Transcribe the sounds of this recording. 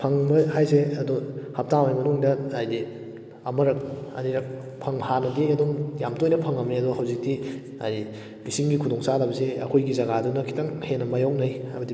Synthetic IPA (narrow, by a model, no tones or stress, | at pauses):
pʰɐŋbɐhajseɐdɔhap̚tawajmɐnuŋdɐajdi | ɐmɐɾɐk̚ɐ̰niɾɐk̚ | pʰɐŋhanɐdiɐdɔŋjamtojnɐpʰɐŋɐmneɐdɔɦawzik̚ti | a̰ji | misiŋɡikʰudɔŋsadabɐseɐkʰojɡizɐɡadunɐkʰi̥taŋhenɐmajawk̚najabɐdi